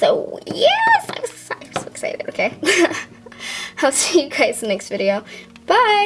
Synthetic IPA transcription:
so̰ʊjɛsa̰ɪwasksḛɪɾɪ̰toʊkʰeɪ | aɪlˠsijəkʰɹ̥eɪtsənɛkstvɪɾioʊ | b̥aɪ

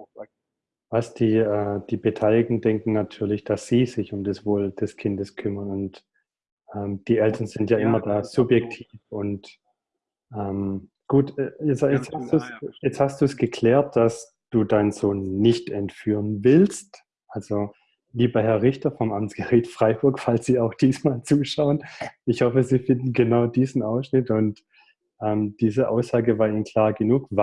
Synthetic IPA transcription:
a | vasd̥iːɛːd̥iːbetʰaɪlɪɡŋ̩dɛŋkŋ̩natʰyːɐlɪçd̥asz̥iːz̥ɪçʊmdɛsv̥oːld̥ɛskʰɪndəskʰʏmɐnʊnt | ʔɛːmd̥iːʔɛltʰɐnz̥ɪntjaːʔɪmɐdaːz̥ʊpjɛk̚tʰiːfʊnt | ʔɛːm | ɡ̥uːtɛjɛt͡sjɛt͡shastd̥uːsjɛt͡sthastd̥uːsɡ̥əkʰl̥ɛːɐt̚d̥as | d̥uːdaɪnz̥oːnːɪçtɛntfyːʁənvɪlst | ʔalzo | liːbɐhɛɐʁɪçtɐfɔmʔamt͡sɡ̥əʁitfʁ̥aɪbʊɐkfalsz̥iːaʊxd̥iːsmaːlt͡suːʃaʊənɪçhɔfəziːfɪndn̩ɡənaʊdiːzn̩ʔaʊsʃnɪtʊnt | ʔɛːmd̥iːzəʔa̰ʊsz̥aːɡəvaːɐiːmənkʰl̥aːɐɡənuːkv

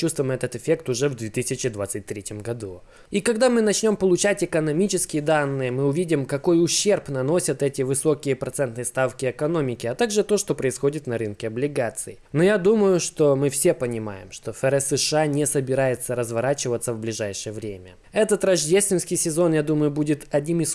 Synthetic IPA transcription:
t͡ɕust̪vʊɪmɛt̪ət̪ɨfʲe̞kt̪ʊʐɛvd̪vʲet̪ɨsʲɪt͡ɕɪd̪vat̪sɨt̚ʲt̪ɾʲetʲɪmɡɐd̪u | ikɐɡd̪amɨnɐt͡ɕnʲo̞mpəlˠʊt͡ɕætʲɪkənɐmʲit͡ɕɪskʲɪjəd̪anːɨjəmɨʊvʲidʲɪmkɐko̞jʊɕːe̞rpnɐno̞sʲət̪ɛtʲɪvɨso̞kʲɪjəpɾɐt̪sɛnt̪nɨjəst̪afkʲɪɛkɐno̞mʲɪkʲɪɐt̪aɡʐɨt̪o̞ʂt̪o̞pɾəɪsxo̞dʲɪt̪nɐɾɨnkʲɪɐblʲɪɡat̪sɨj | nojad̪uməjʊʂt̪o̞mɨfsʲe̞pənʲɪma̰jɪ̰mʂt̪o̞fɛɾɛsɨʂɨanʲɪsəbʲɪɾajɪt̪səɾəzvɐɾat͡ɕɪvət̪səvblʲɪʐajʂɨjəvɾʲemʲə̰ | ɛt̪ət̪ɾɐʐdʲest̪vʲɪnskʲɪjsʲɪzo̞njad̪uməjʊbudʲɪt̪ɐdʲnʲimɨs

